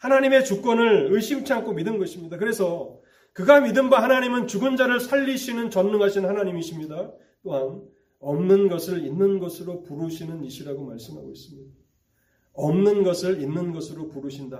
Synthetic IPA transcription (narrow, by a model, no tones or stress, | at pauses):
hanaɲime̞t͡ɕuk͈wʌnɯɭɯɭɕ͈ʰimt͡ɕʰeaŋkʰomidɯnɡʌɕʰimɲidakɯɾe̞sʰʌ | kɯɡamidɯnbaɦanaɲimɯnt͡ɕuɡɯnd͡ʑaɾɯɭsʰaʎːiɕʰinɯnt͡ɕʌnːuŋɦaɕʰinnhanaɲimiɕʰimɲida | t͈oɦan | ʌmnɯnɡʌsʰɯɾinːɯnɡʌsʰɯɾopuɾuɕʰinɯniɕʰiɾaɡomaɭs͈ɯmɦa̰ɡo̰is͈ɯmɲidda | ʌmnɯnɡʌsʰɯɾinːɯnɡʌsʰɯɾopuɾuɕʰinda